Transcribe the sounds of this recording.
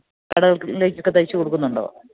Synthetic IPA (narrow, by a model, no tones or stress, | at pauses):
kɐɽɐɣɐɭle̞ːk̬ʲːokːet̪ɐjit͡ɕːɨkoɽukːunːuɳɖo̰ː